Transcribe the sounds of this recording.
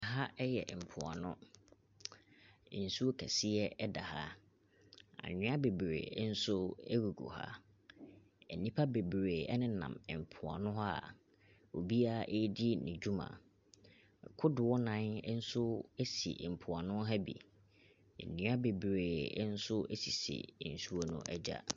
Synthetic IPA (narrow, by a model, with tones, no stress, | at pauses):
ɦa˦ɛ˦jɛ̰˨m̩˨pʰʊ˨a̰˨nʊ̰̃˦˨ | n̩˨su˦o˦kʰæ˨si˦ɛ˦ɛ˦da˨ha̰˦ | ã̰˨ɲʊ̃˦a˦be˨bɾḛ˨˦n̩˦sʊ˦ɛ˦ɡu˨ɡṵ˨ha̰˦ | ɛ˨nĩ˦pʰa˦be˨bɾeː˨ɛ̰˦nɪ̃˦nã̰˨mɪ˨m̩˨pʰʊ˨a̰˨nʊ̃˦ɦa˦˨ | o˨bi˦a˦˨ʔe˦di˦nɪ̃˨d͡ʑᶣu˦mã̰˨ | kʰʊ˦dɪ˨wɔ˦nã˦n˦n̩˦sʊ˦e˦sḭ˨m̩˨pʰʊ˨a˨nʊ̃˦ɦa˦bḭ˨ | ḛ˨nĩ˨˦a˦be˨bɾeː˨˦n̩˦sʊ˦e˦si˨sḭ˨n̩˨su˦o˦nʊ̰̃˦ʔɛ˦d͡ʑa̰˦